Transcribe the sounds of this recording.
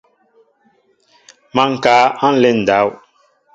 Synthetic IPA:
ma˨˦ŋ̩˨kaː˨˦ã˦n˦lɛ˦n̩˨da˨˦w

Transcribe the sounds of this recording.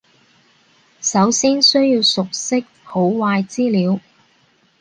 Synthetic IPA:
sɐ˨˧˥wsiː˥nsɵ˥ɥjiː˧wsʊ˨k̚sɪ˥k̚ho˨˥wwaː˧jt͡siː˥liː˨˧˥w

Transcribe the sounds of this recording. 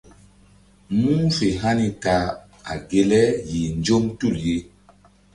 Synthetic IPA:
mu˦fe˨ɦa˦ni˦ta˨ | a̰˨ɡe˨lɛ˦ji˨nd͡ʒo˦mtu˦˨lje˦

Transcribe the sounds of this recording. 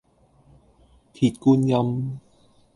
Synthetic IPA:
t̪ʰi˨˩t̪̚ku˧nja˧m

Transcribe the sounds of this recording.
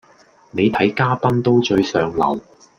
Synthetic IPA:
ne˨˧jt̪ʰɐ˨˥jkaː˥pɐ˥nt̪o˥wt͡ʃɵ˧ɥsœː˨ŋlɐ̰˨˩w

